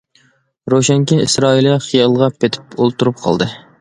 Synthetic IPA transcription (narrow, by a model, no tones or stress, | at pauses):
ɾoʃɛŋkʲiisɾɑilˠiχijɑlˠʁɑpʰet̪ʰɪ̥pʰolˠt̪uɾup̚qʰɑ̰lˠd̪ɨ